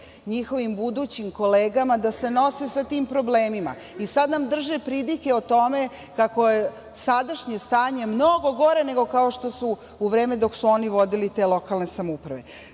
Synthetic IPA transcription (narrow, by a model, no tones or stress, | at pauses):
ɲixo̞ʋimbud̪uːt͡ɕimko̞leːɡamad̪ase̞no̞sesat̪iːmpɾo̞bleːmima̰ | isad̪namd̪r̩ʒepɾid̪ike̞ot̪o̞me̞ | kako̞je | sad̪aʃɲest̪aːɲe̞mnoɡo̞ɡo̞ɾe̞ne̞ɡo̞kao̞ʃt̪o̞su | uʋɾe̞ːmed̪o̞ksuo̞niʋo̞d̪ilit̪e̞lˠo̞kalˠne̞samoupɾaʋe̞̰